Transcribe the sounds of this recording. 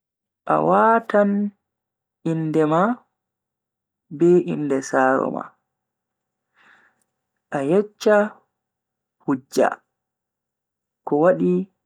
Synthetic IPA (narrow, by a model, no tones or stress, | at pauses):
ʔa̰waːtan | ʔindɛma | bɛʔḭndɛsaːɾɔ̰ma̰ | ʔajɛt͡ʃːa | hud͡ʒːa̰ | kɔwaɗi